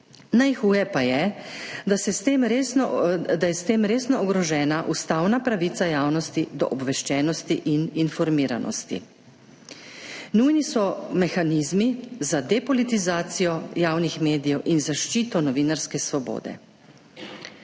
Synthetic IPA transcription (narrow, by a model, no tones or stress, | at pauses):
najxuːjɛpajɛd̪asɛst̪eːmɾesɔd̪ajɛst̪eːmɾeːsnɔːɡɾɔʒɛːnaʔust̪aːwnapɾaʋit̪sajaːwnɔst̪id̪ɔ̰ʔɔbʋɛʃt͡ʃɛːnɔst̪iʔininfɔɾmiːɾa̰nɔ̰st̪ḭ | nujnisɔmɛxanizmizad̪ɛpɔlit̪izaːt̪sijɔjaːwnixmeːd̪ijɛwʔinzaʃt͡ʃiːt̪ɔnɔʋiːnaɾskɛsʋɔbo̰ːd̪ɛ̰